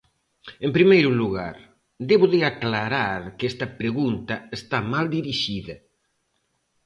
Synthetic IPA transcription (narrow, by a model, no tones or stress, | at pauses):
empɾimejɾʊluɣa̰ɾ | d̪eβʊðɪaklaɾaɾkɛst̪ɐpɾeɣunt̪ɐest̪amald̪iɾiʃiðɐ